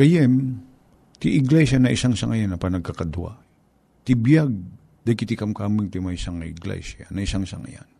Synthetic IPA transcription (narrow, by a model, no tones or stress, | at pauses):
kɐjɛm | t̪ɪʔɪɡlɛsanɐʔɪsaŋsaŋɐjanɐpɐnɐɡ̚kakad̪wa̰ | t̪ɪbjaɡ̚ | d̪ɐjkɪt̪ɪkamkaːmɪŋt̪ɪmaisaŋɪɡlɛ̰sa̰nɐɪsaŋsa̰ŋa̰ja̰n